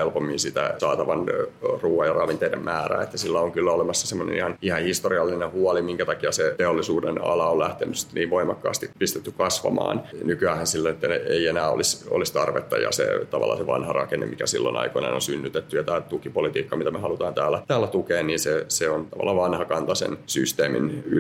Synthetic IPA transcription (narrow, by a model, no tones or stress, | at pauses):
elpomːinsit̪æ̰sɑːt̪ɑʋɑnruːɑjɑrɑʋint̪eidemmæːræ̰ːet̪ːæsilːæoŋkylːæolemɑsːɑ̥semːonḛnihɑnihɑhist̪oriɑlːinehuɑlimiŋkæt̪ɑkiɑset̪eolːisuːdenɑ̰lɑollæht̪ḛnysːi̥t̪ːniːʋʋoimɑkːɑ̰ːst̪ipist̪et̪ːykɑsʋɑ̰mɑ̰ːnnykyæhænsilːonet̪ːæeienæːo̰liso̰list̪ɑrʋḛt̪ːɑjɑ̰sḛt̪ɑʋɑ̰lːɑ̰seʋɑ̰nhɑrɑ̰kenḛmikæ̰sḭlːo̰nɑ̰ikonḛno̰nsynːyt̪et̪ːyjɑt̪æːt̪ukipolit̪iːkːɑmit̪æmehɑlut̪ɑːnt̪æːlːæt̪æːlːæt̪ukeːnniːnseseont̪ɑʋɑ̰lːɑʋɑnhɑkɑnt̪ɑsḛnsyst̪eːmḭny